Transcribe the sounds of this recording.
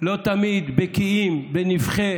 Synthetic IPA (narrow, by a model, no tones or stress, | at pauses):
lo̞t̪amid̪bekiimbenifχe